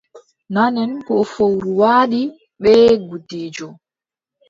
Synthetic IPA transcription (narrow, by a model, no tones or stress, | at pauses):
nanɛnkɔfowɾuwaːɗi | ɓɛɡudiːd͡ʒɔ